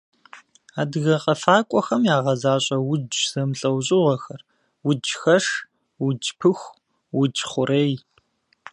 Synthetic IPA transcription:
aːdɨɣɐqʼɐfaːkʷʼɔxɐmjaːʁɐzaːɕʼɐwʊd͡ʒz̥ɐmɬʼɐwɕʼɪʁɐxɐr | wʊd͡ʒxɐʂ | wʊd͡ʒpʰɨxʷ | wʊd͡ʒχʷʊɾej

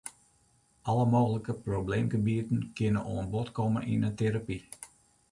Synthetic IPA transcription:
ʔɑləmoːɣələkəprobleːmɡəbiətən̩kɪnəʔoənbɔtkɔməʔinəteɾapi

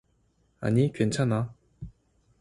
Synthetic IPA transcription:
a̰nikʰet͡ɕʰana

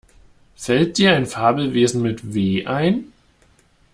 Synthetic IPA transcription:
fɛlt̚d̥iːɐaɪnfaːbl̩veːzn̩mɪtveːʔaɪn

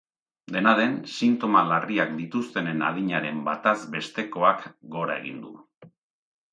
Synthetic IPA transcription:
d̪e̞naðe̞nsint̪o̞malariak̚d̪it̪ust̪e̞ne̞na̰ð̞iɲaɾe̞mbat̪azbe̞st̪e̞ko̞akɡo̞ɾa̰e̞̰ɣ̞ḭnd̪ṵ

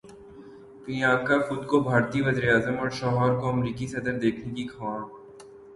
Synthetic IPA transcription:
bɪjaːɡ̚kaxʊd̪kobʱaːɾt̪iʋɐziːɾaːzəmɔːɾʃɔːɦɔːɾkoɐmɾiːkisɐd̪əɾd̪eːkʰnekikʰaːɽ

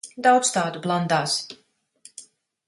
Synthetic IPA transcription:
d̪awt̪st̪aːd̪ublˠand̪aːs

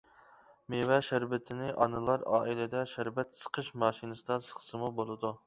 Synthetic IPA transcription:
mevɛʃæɾvɪt̪ʰɪnɪʔɑ̰nɨlˠɑɾɑ̰ːʔilɪd̪ɛʃæɾbɛt̪sə̥qʰəʃmɑːʃinɨsɨd̪ɑsə̥χsɨmubolˠɨd̪u

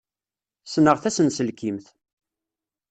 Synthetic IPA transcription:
snəʁθæsənsəlkimθ

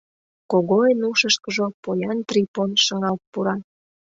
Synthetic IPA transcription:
koɣoenuʃəʃkəʒopojɑnt̪riponʃə̆ŋɑlt̪̚puɾɑn

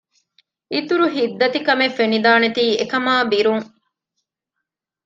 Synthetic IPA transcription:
it̪uɾuɦid̪ːɐt̪ikɐmefenid̪aːnet̪iːekɐmaːbiɾuŋ

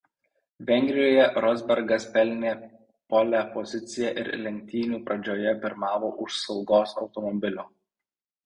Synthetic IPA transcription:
ʋʲɛŋʲɡʲɾʲɪjoːjɛɾɔzʲbʲɛɾɡɐspʲɛlʲnʲeː | pɔlʲæpɔzʲɪt̪sʲɪjɛʔɪ̰ɾlʲɛŋʲk̚ʲt̪ʲiːnʲuːpɾɐd͡ʒʲoːjɛpʲɪɾmɑːʋo̰ːʔʊʃsɒʊɡoːsɒʊt̪ɔmɔbʲɪlʲuː

